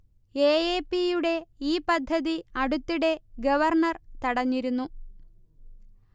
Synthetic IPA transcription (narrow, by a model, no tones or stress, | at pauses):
e̞ːeːpijuɽe̞iːpɐd̪ʱːɐðiɐɽut̪ːiɽe̞ɡɐʋɐrɳɐrt̪ɐɽɐɲːiɾunːu